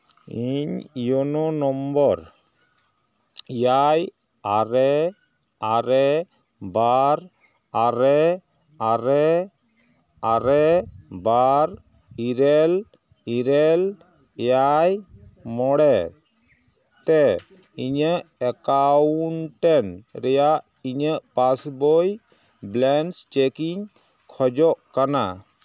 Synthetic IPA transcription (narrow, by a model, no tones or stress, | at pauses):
iɲjɔnɔnɔmbɔɾ | jaj | aɾɛ | aɾɛ | baɾ | aɾɛ | aɾɛ | aɾɛbaɾ | iɾɛl | iɾɛl | jajmɔɽɛ | t̪ɛ | iɲəʔɛkaunʈɛnɾɛjaʔ | iɲəʔpasbɔj | blɛnst͡ʃekiɲ | kʰɔd͡ʒɔʔkana̰